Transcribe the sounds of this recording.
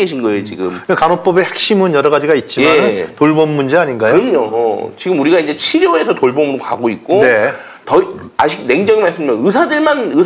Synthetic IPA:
eɕʰinɡʌeot͡ɕiɡɯmkakanop͈ʌbe̞hak̚ɕ͈imɯnjʌɾʌɣad͡ʑiɡait̚t͡ɕ͈imeanɯtoɭbʌmːund͡ʑeaɲinɡajoɯɾʌmɲot͡ɕiɡɯmuɾiɡaind͡ʑe̞t͡ɕʰiɾjoe̞sʰʌtoɭbʌmuɾoka̰ɡoik̚k͈one̞ | tʌiaɕʰiɡ̚ne̞ŋd͡ʑʌŋimaɭs͈ɯmjʌnɯsʰadɯɭmanɯ

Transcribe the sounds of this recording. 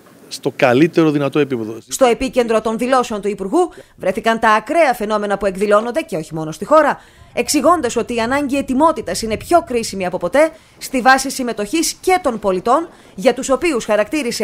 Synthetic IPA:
st̪o̞kɐlit̪e̞ɾoðinɐt̪o̞e̞pipe̞ðost̪o̞e̞pice̞nd̪ɾo̞t̪o̞nðilo̞seo̞nt̪uipuɾɣuvɾe̞θikɐnt̪ɐːkɾe̞ɐfe̞no̞me̞nɐpue̞ɡðilo̞nond̪e̞ce̞o̞çimo̞no̞st̪ixo̞ɾɐ | e̞ksiɣo̞nd̪ɐso̞t̪iːɐnɐɲɟie̞t̪imo̞t̪it̪ɐsine̞pço̞kɾisimiɐpo̞po̞t̪e̞ | st̪ivɐsisime̞t̪o̞çisce̞t̪o̞npo̞lit̪o̞n | ʝɐt̪uso̞piusxɐɾɐkt̪iɾise

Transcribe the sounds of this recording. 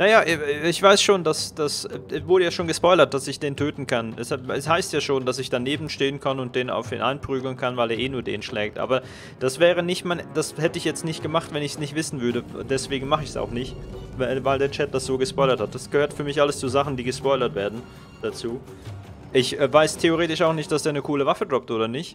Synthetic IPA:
najaːʔɛɪçv̥aɪsʃoːndasd̥asɛvʊɐɾəjaːʃoːnɡəspɔʏlɐt̚d̥asɪçd̥eːntʰøːtn̩kʰanʔɛ̰saɛshaɪstjaːʃoːnd̥asɪçd̥aneːbm̩ʃteːənkʰanʊnt̚d̥eːna̰ʊfḭːnʔa̰ɪnpʁ̥yːɡl̩nkʰanvaɪleːɐʔeːnuːɐdḛːnnʃlɛːk̚tʔa̰ːbɐ | d̥asv̥ɛːʁ̞ənɪçtmaɪnd̥ashɛtəɪçjɛt͡stnɪçtɡ̥əmaχtvɛnɪçsnɪçtv̥ɪsn̩vʏɐɾədɛsv̥eːɡŋ̩maχəɪçsa̰ʊxnɪçtvaɪvaɪldeːɐt͡ʃɛt̚d̥asz̥oːɡəspɔʏlɐthat̚d̥asɡ̥əhøːɐtfyːɐmɪçʔaləst͡suːzaχn̩diːɡəspɔʏlɐtv̥eːɐdn̩ | d̥at͡suː | ʔɪçʔɛːvaɪstʰeoʁeːtɪʃaʊxnɪçt̚d̥asd̥eːɐnəkʰuːləvafl̩dʁɔp̚tʔoːdɐnɪçt

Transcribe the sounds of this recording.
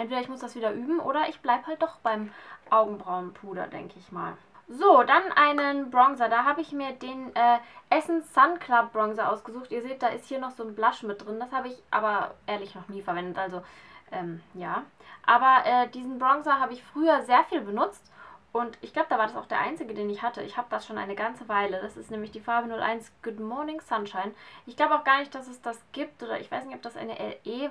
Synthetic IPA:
ɛntv̥eːdɐɪçmʊsd̥asv̥iːdɐʔyːbm̩ʔo̰ːɾɐʔɪçb̥laɪbəhalt̚d̥ɔχb̥aɪmʔaʊɡŋ̩bʁaʊnpʰʁuːɾɐ̰dɛ̰ŋkʰəɪçma̰ːl | zoːdanʔaɪnənbʁɔŋzɐdaːɦaːbəɪçmiːɐdeːnʔɛːʔɛsn̩sankʰl̥ap̚bʁɔŋzɐʔaʊsɡ̥əzuːxtʔiːɐzeːt̚d̥aːʔɪsthiːɐnɔχz̥oːnblaʃmɪt̚d̥ʁɪnd̥ashaːbəɪçʔa̰ːbɐʔeːɐlɪçnɔχniːfɛɐvɛndətʔalzoʔɛːmjaːʔaːbɐʔɛːd̥iːzn̩bʁɔŋzɐɦaːbəɪçfʁ̥yːɐzeːɐfiːlbənʊt͡stʔʊntɪçɡ̥laʊbədavaːɐdasaʊxd̥eːɐʔa̰ɪnt͡sɪɡədeːnɪçhatəɪçhaːbədasʃoːnʔa̰ɪnəɡant͡səvaɪlədasɪstnɛːmlɪçd̥iːfaɐbənʊlʔa̰ɪnsɡ̥ʊtmɔɐnɪŋsanʃaɪnʔɪçɡ̥laʊbəaʊxɡ̥aːɐnɪçt̚d̥asɛsd̥asɡ̥iːp̚tʔoːdɐ̰ʔɪ̰çv̥aɪsnɪçtɔp̚d̥asʔa̰ɪnə̰ʔɛʔeː

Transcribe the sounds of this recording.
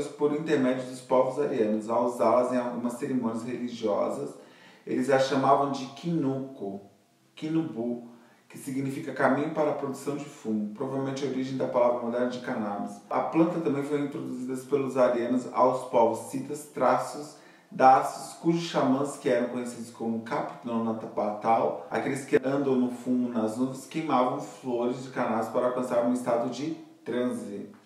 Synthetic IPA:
spoɾĩnt̪eɾmɛd͡ʒɪʊd̪ʊspɔvʊzaɾiɐ̃nʊzawzalɐzẽj̃aɡũmɐsːeɾimõniɐsheliʒiɔ̰zɐs | ḛlɪzʒaʃamavɐ̃w̃d͡ʒɪkĩnukʊ | kĩnubu | kɪsiɡnifikɐkamĩɲʊpaɾɐpɾod̪usɐ̃w̃d͡ʒɪfũmʊpɾovavewmẽnt͡ʃɪɐoɾiʒẽj̃d̪ɐpalavɾɐmod̪ɛɾnɐd͡ʒɪkanabɪsɐ̰plɐ̃nt̪ɐt̪ɐ̃mbẽj̃foj̃ĩt̪ɾod̪uzid̪ɐspelʊzaɾenɐza̰wspawvsit̪ɐst̪ɾasʊs | d̪asʊ̥skuʒʊsʃamɐ̃skɪɛɾɐ̃w̃kõjɲesid̪ʊskõmʊũkapi̥t̪nõnat̪ɐpat̪awa̰kelɪskɪɐ̃nd̪ɐ̃w̃nʊfũmʊnɐznuvẽskejmavɐ̃w̃floɾɪzd͡ʒɪkanabspaɾɐawkɐ̃saɾũɪst̪ad̪ʊd͡ʒɪt̪ɾɐ̃zit̪ʊ

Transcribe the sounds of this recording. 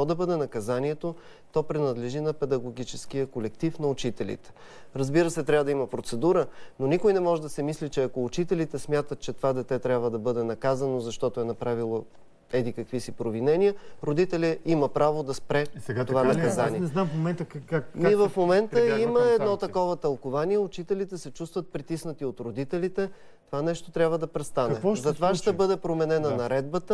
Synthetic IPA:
ɔd̪ɐbɤd̪ɛnɐkɐzaniɛt̪o | t̪ɔpɾɛnɐd̪lɛʒinɐpɛd̪ɐɡoɡit͡ʃɛsk̟ijəkolɛkt̪ifnɐʊt͡ʃit̪ɛlḭt̪ɛ̥ | ɾəzbiɾəsɛt̪ɾʲavəd̪ɐiməpɾot̪sɛd̪uɾənonikojnɛmɔʒɛd̪ɐsɛmislit͡ʃɛɐkoːt͡ʃit̪ɛlit̪ɛsmʲjat̪ət̪̚t͡ʃɛt̪ovad̪ɛt̪ɛt̪ɾʲabvəd̪ɐbɤd̪ɛnɐkazənozɐʃt̪ɔt̪ʊɛnɐpɾavilˠo | ɛd̪ikɐkvisipɾovinɛniəɾod̪it̪ɛlʲɛiməpɾavod̪ɐspɾɛɛɡt̪ovanɐɐzaniɛɛnamfmomɛnt̪əakniɛvɐfmomɛnt̪əiməɛd̪nɔt̪ɐkɔvət̪ɐlˠkovaniɛʊt͡ʃit̪ɛlit̪ɛsɛt͡ʃust̪vət̪̚pɾit̪isnət̪iot̪ɾod̪it̪ɛlit̪ɛ | t̪ovanɛʃt̪ot̪ɾʲabvəd̪ɐpɾɛst̪anɐɛɔzɐt̪vaʃt̪ɛbɤd̪ɛpɾomɛnɛnənɐɾɛd̪̚bət̪ə

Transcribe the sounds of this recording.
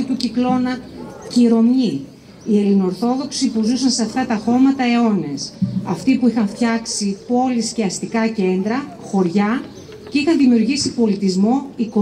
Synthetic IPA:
it̪uciklo̞nɐciɾo̞mi | ie̞lino̞ɾθo̞ðo̞ksipuzusɐnseɐft̪ɐt̪ɐxo̞mɐt̪ɐe̞o̞ne̞sɐft̪ipuixɐɱft̪çɐksipo̞lisce̞ɐst̪ikɐce̞nd̪ɾɐxo̞ɾʝɐ | ceixɐnðimiuɾʝisipo̞lit̪izmo̞iko

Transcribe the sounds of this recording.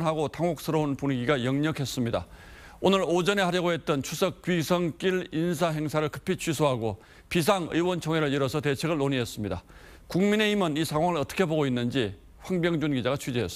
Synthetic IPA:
nɦaɡotaŋok̚s͈ɯɾounpunɡiɡajʌŋɲʌkʰe̞s͈ɯmɲida̰ | onɯɾod͡ʑʌne̞haɾjʌɡoɦe̞t̚t͈ʌnt͡ɕʰusʰʌk̚k͈ɥisʰʌŋk͈iɭinsʰaɦe̞ŋsʰaɾɯɭkɯ̥pʰit͡ɕʰɥisʰoɦaɡo | pis̬ʰaŋɯ̰jwʌnt͡ɕʰoŋɦeɾɯɭiɾʌsʰʌtet͡ɕʰe̞ɡɯɭːoɲies͈ɯmɲida | kuŋmine̞imɯnisʰaŋɦwaŋɯɭʌt͈ʰʌ̥kʰe̞boɡoinːɯnd͡ʑi | ɸwaŋbjʌŋd͡ʑunɡid͡ʑaɣat͡ɕʰud͡ʑeɦes

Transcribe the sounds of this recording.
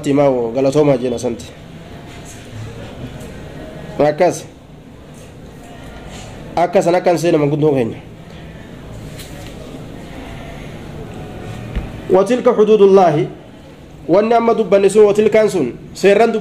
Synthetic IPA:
t̪ːɪmawɔɡɐlɐt̪oːmad͡ʒɛnɐsɐnt̪ɪ̥ | ɐkːɐs | ɐkːɐs̬ɐnɐkːɐns̬eːnɐmɐŋɡʊnt̪ʊkeɲːɐ̥ | wɐt̪ɪlkɐħʊd̪uːd̪ʊlːɑːɦɪ | wɐnːɪɐmːɐd̪ʊbːɐnːɪs̬ʊnwɐt̪ɪlkansʊn | seːrːɐnd̪ʊ

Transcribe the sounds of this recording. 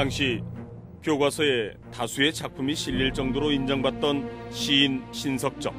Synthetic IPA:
taŋɕʰi | kjoɡwasʰʌe̞ | tasʰue̞t͡ɕʰak̚pʰumiɕʰiʎːiɭt͡ɕ͈ʌŋdoɾoind͡ʑʌŋbat̚t͈ʌnɕʰiːnɕʰinsʰʌk̚t͡ɕ͈ʌ̰k̚

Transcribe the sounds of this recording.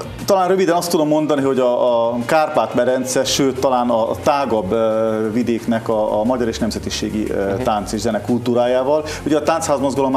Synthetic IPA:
t̪ɒlaːnrøvid̪ɛnɒst̪ud̪o̞mːo̞nd̪ɒniɦo̞ɟɒkaːrpaːt̪bɛɾɛnt̪sɛʃøːt̪ːɒlaːnɒt̪aːɡɒbvid̪eːknɛkɒmɒɟɒɾeːʃnɛmzɛt̪iʃḛːɡḭt̪aːnt̪seːʒzɛnɛkult̪uːɾaːjaːvɒl | uɟɛːt̪aːnshaːzmozɡɒlo̞m

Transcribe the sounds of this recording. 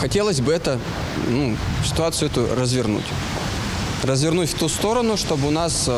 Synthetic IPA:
xɐtʲelˠəsʲbɨɛt̪ə | nusʲɪ̥t̪ʊat̪sɨʊɛt̪ʊrəzvʲɪrnṵtʲ | rəzvʲɪrnutʲft̪ust̪o̞ɾənʊʂt̪o̞bɨʊnas

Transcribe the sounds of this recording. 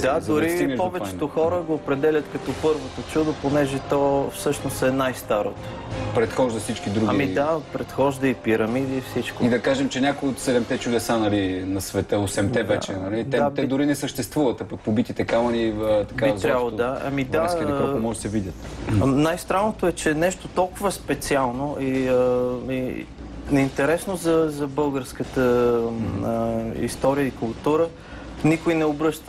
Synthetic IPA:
d̪ad̪ʊɾiimɛpɔvɛt͡ʃɛt̪oxɔɾəɡoːpɾɛd̪ɛlʲət̪kɐt̪ɔpɤɾvot̪ot͡ʃud̪oponɛʒɛt̪ɔfsɤʃnosɛnajst̪aɾot̪o | pɾɛt̪xɔʒd̪ɐfsit͡ʃkid̪ɾuɡaɡimid̪apɾɛt̪xɔʒd̪əipiɾɐmid̪ifsit͡ʃkoid̪ɐkaʒɛmt͡ʃɛnʲakojot̪sɛd̪ɛmt̪ɛt͡ʃud̪ɛsanɐlinɐsvɛt̪əosɛmt̪ɛvɛt͡ʃɛnɐlid̪ɛt̪ɛd̪ʊɾinɛsəʃt̪ɛst̪vuvət̪ɐpɐk̚pobit̪it̪ɛkamɐniət̪ɐkaizɾjabəlˠod̪aɐ̰mid̪ask̪kɔmɔʒɛsɛvid̪ʲət̪najst̪ɾanot̪oɛt͡ʃɛnɛʃt̪ot̪ɔlˠkʊvəspɛt̪sialˠnoʔiəi | nɛint̪ɛɾɛsnozɐzɐbɤlˠɡəɾskət̪ə | əḭst̪ɔɾijəikʊlˠt̪uɾə | nikʊjnɛobɾɤʃt̪ə̥

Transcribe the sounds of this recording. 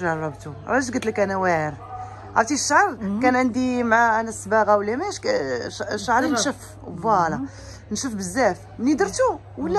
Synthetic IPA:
ʒɑrˤːɑbt̪uɾˤɑɡət̪lkænæwæʕəɾ | ʕa̰t̪iʃːəʕɑɾˤkænʕənd̪imʕaænæsbɑɣawlːæmæʃ | ʃʕɾˤinʃəf | bɑlɑ | nʃəfbəzːæf | nid̪əɾt̪u | wəlːæ

